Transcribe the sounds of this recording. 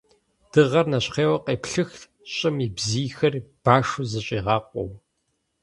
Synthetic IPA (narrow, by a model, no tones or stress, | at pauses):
d̥ɨʁɐrnɐɕqeːwɐqeːpɬɨx | ɕʼɪmiːbziːxɐrb̥aːʂuzɐɕʼiːʁɑːqʷʼɔ̰w